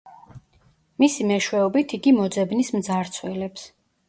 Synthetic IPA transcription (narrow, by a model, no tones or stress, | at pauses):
misimɛʃwɛɔbit̪ʰiɡimɔd̪zɛbnismd̪zaɾt̪sʰwɛlɛps